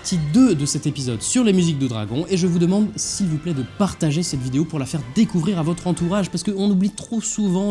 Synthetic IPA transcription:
t̪ʰid̪ød̪əsɛt̪epizɔd̪syʁlemyzik̚d̪əd̪ʁa̰ɡɔ̃eʒəvud̪əmɑ̃d̪silvuplɛd̪əpaʁt̪aʒesɛt̪vid̪eopuʁlafɛʁd̪ekuvʁiʁavɔt̪χɑ̃t̪uʁaʒpaʁsə̥kəɔ̃nublit̪χosuvɑ̃

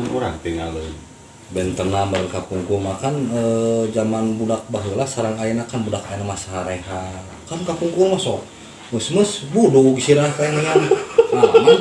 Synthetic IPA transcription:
nuɾa̰ŋp̪iŋalən | bɛnt̪ərnamərkapuŋkumakanəd͡ʒamanbudak̚baɦulasaɾaŋainakanbudakainamasɦaɾeɦa | kamkapuŋkumasɔ | məsməsbuduɡisiɾakainəŋanmama

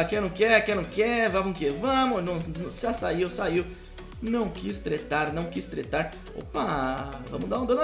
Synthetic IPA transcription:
akẽj̃nɐ̃w̃kɛakẽnɐ̃w̃kɛvakũkevɐ̃mʊnɐ̃nsɪʒasaiwsaiw | nɐ̃w̃kist̪ɾet̪aɾnɐ̃w̃kist̪ɾḛt̪aɾ | o̰pavɐ̃mʊd̪aũd̪ɐ̃nʊ

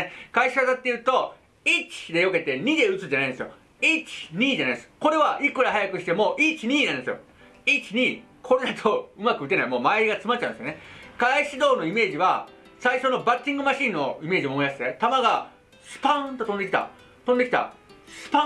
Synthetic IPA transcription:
kaiɕiβazat̪ːe̞jɯ̟ːt̪o̞ | it͡ɕi̥d̪e̞jo̞ke̞t̪e̞ɲ̟id̪e̞ɯ̟t͡sɨd͡ʑanainesɨjo | it͡ɕi̥ɲ̟iːd͡ʑanaid̪esɨ̥ko̞ɾe̞βaʔikɯ̟ɾahajakɯ̟ɕi̥t̪e̞mo̞ʔit͡ɕiɲ̟iːnãnd̪esɨjo̞̰ | it͡ɕiɲ̟i | kʰo̞ɾod̪at̪ʰoɯ̟makɯ̟ɯ̟t̪eaimo̞ːmaeɡat͡sɨmat͡ɕːãɯ̃nesjonekaiɕid̪o̞ːno̞ime̞ːʑiβa | saiɕo̞no̞bat͡ɕːĩŋɡɯ̟maɕĩːnːo̞ime̞ːʑimomojaɕi̥t̪e̞t̪amaɡa | sɨ̥pãt̪o̞t̪õ̞nd̪eki̥t̪a̰ | t̪õ̞nd̪e̞kʲit̪a̰sɨ̥pã

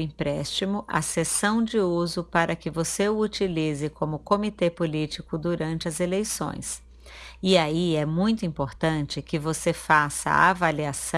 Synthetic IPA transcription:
ĩpɾɛst͡ʃimʊʔɐ̰sesɐ̃w̃d͡ʒɪuzʊpaɾɐkɪvoseʊut͡ʃilizɪkõmʊkõmit̪epolit͡ʃikʊd̪uɾɐ̃nt͡ʃɪɐzelejsõ̰j̃s | ɪaiɛmũj̃t̪ʊĩpoɾt̪ɐ̃nt͡ʃɪkɪvosefasɐ̰avaliasɐ̃

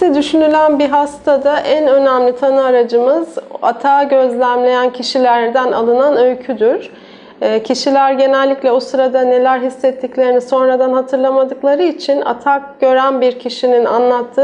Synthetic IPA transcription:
ɛd̪yʃynylʲænbiɦast̪ʰad̪aʔænø̞næmlʲit̪ʰanɯaɾad͡ʒɯmɯza̰t̪ʰaːɟø̞zlʲæmlʲe̞jæncʰiʃilʲæɾd̪æna̰lˠɯnanø̞jcʰyd̪yɾ̥ː | cʰiʃilʲæɾɟe̞nɛlʲːicʲlʲɛosɯɾad̪ane̞lʲæɾɦisːɛt̪ʰːiclʲe̞ɾiniso̞nɾad̪anɦat̪ʰɯɾlˠamad̪ɯklˠaɾɯit͡ʃʰina̰t̪ʰak̚ɟ̥ø̞ɾænbiɾcʰiʃinina̰nlˠat̪ʰːɯː

